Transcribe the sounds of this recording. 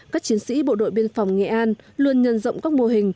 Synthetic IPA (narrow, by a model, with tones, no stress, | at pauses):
kaː˦˥k̚t͡ɕi˨˦ənsḭ˧˥ɓo̰˧˨ɗo̰˧˨jɓi˧ənfɔ˨˩wŋ͡mŋɛ̰˧˩ʔaː˧nlu˧ənɲə˧˨nzə̰˧˨wŋ͡mkaː˦˥k̚mo˧əɦï˨˩ŋ̟